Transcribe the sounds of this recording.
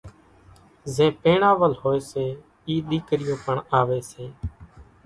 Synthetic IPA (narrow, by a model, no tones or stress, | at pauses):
zẽːpeːɳaːʋəlɦoːeːseː | iːɗiːkɾɪjõːpəɳaːʋeːseː